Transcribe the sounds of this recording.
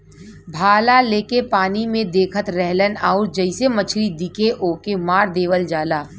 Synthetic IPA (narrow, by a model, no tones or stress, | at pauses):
bʱaːlaleːkepaːnimẽd̪eːkʰət̪ɾɛɦlənaːʊɾd͡ʒəɪsemət͡ʃʰɾid̪ɪkeʔoːkemaːɾd̪eːʋəld͡ʒaːlaː